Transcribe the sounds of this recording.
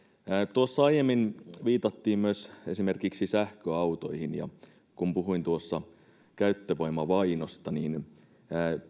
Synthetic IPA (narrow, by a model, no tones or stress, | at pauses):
t̪uosːɑɑjjemːinʋiːt̪ɑt̪ːiːmmyøse̞sime̞rkiksisæhkøɑwt̪o̞ihinjɑ̰ | kumpuɦuint̪uosːɑ | kæyt̪ːøʋojmɑʋɑinost̪ɑniːnː